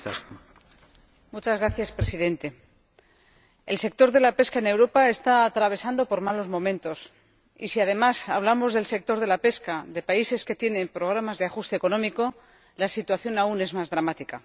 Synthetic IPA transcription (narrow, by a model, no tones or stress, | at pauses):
mut͡ʃazɣɾaθjaspɾe̞siðe̞nt̪e̞ | else̞k̚t̪o̞ɾðe̞lape̞skaene̞wɾo̞pae̞st̪aːt̪ɾaβ̞e̞sand̪o̞po̞ɾmalo̞zmõ̞mẽnt̪o̞s | ḭsiað̞e̞masaβlamo̞zðe̞lse̞k̚t̪o̞ɾð̞e̞lape̞skaðe̞paise̞ske̞t̪je̞nẽ̞mpɾo̞ɣ̞ɾamazðeaxust̪e̞ːko̞nõ̞miko̞ | lasit̪waθjo̞naune̞zmazðɾamat̪ika